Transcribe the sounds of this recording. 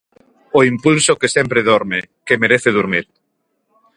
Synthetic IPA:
oimpulsokesɛmpɾeðɔɾmekemeɾeθeðuɾmiɾ

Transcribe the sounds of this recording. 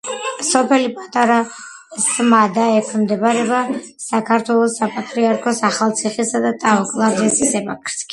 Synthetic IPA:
sɔpʰɛlipʼat̪ʼaɾa | st̪ʼmad̪aɛkʰmd̪ɛbaɾɛbasakʰaɾt̪ʰwɛlˠɔsːapʼat̪ʼɾiaɾkʰɔsaχalˠt̪sʰiχisad̪at̪ʼaɔkʼlˠaɾd̪ɛsisɛbakʰɾskʼi

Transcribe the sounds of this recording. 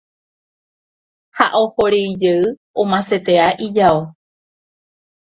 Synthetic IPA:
haʔo̞ho̞ɾeid͡ʒeɨõmãset̪e̞aʔid͡ʒao

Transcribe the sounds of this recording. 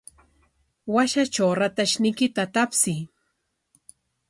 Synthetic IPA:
waʃat͡ʃawɾat̪aʃnɪjkɪt̪at̪apsɪ

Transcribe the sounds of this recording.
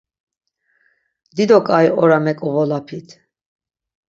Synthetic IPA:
d̪id̪ɔkʼajɔɾamɛkʼɔvɔlapʰit̪ʰ

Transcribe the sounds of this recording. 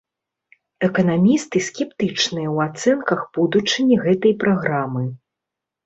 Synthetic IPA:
ɛkɐn̪amʲist̪ɨsʲkʲɛpt̪ɨt͡ʂnɨjɐwat̪sɛnkɐxb̥ud̪ut͡ʂɨnʲiɣɛt̪ɐjpɾaɣɾamɨ

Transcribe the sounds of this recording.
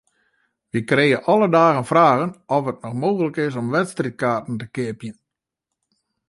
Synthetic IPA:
ʋikreːəʔɔlədaːɣənfraːɣənɔfət̚nɔxmoːɣələkɪs̬ɔmʋɛtstrit̚kaːtn̩təkɪəpjən

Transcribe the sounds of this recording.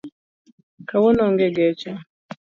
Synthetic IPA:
kawɔnɔŋɡɛɡɛt͡ʃa

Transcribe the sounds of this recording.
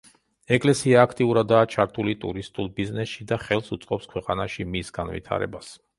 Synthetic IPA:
ɛkʼlɛsiaːkʰt̪ʼiuɾad̪aːt͡ʃʰaɾt̪ʰulit̪ʼṵɾist̪ʼulˠbiznɛsʃid̪aχɛlˠsut̪sʼqʼɔpskʰwɛqʼanaʃimisɡ̥anvḭt̪ʰa̰ɾɛ̰bas

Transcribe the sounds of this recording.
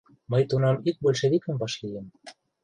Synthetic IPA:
mɤjt̪unɑmyk̚bølʲʃĕβikə̆mbɑʃlijĕm

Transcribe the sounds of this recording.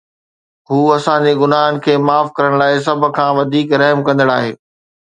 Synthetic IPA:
ɦuːɐsãɲd͡ʑeɡʊnaːɦənɪ̆kʰeːmaːfkɐɾəɽ̃laːɪs̬ɐbʱʊ̆kʰãːʋɐd̪ʱiːkɾɐɦmkɐ̃nd̪əɽaːɦeː

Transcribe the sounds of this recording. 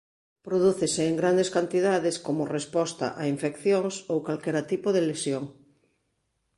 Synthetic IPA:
pɾoðuθeseːŋɡɾand̪eskant̪iðaðeskomorespɔst̪a̰ʔaiɱfekθjoŋsowkalkɛɾat̪ipoðelesjoŋ

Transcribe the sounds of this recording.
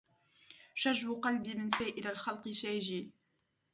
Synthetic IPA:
ʃaʒwʊqɑlbimɪnsaːʔɪlalxɑlqɨʃaːʒiː

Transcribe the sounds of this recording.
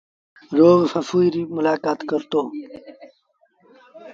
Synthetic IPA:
ɾoːɣfɐfujɾimʊlaːkaːt̪kəɾt̪oː

